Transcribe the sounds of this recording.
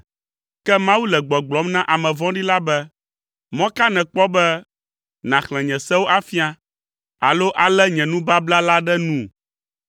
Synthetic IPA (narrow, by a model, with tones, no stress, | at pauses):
kɛ˦mã˦wu˦lɛ˨ɡ͡bɔ˨ɡ͡blɔ˨˦mnã˦ʔa˨mɛ̃˨vɔ̃˦ɖi˦la˦bɛ˦ | mɔ̃˦ka˦nɛ̃˨k͡pɔ˦bɛ˦ | nã˨xlɛ̃˨ɲɛ̃˨sɛ̃˦wo˦ʔa˦fi˦a˦ | a˨lo˦ʔa˨lɛ˦ɲɛ̃˨nũ˦ba˦bla˦la˦ɖɛ˦nũ˦